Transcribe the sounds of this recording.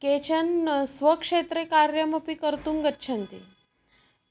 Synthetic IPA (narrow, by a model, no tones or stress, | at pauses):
ket͡ʃənsʋəkʂet̪ɾekaɾjəmopikəɾt̪uŋɡətːʃʰənt̪ḭ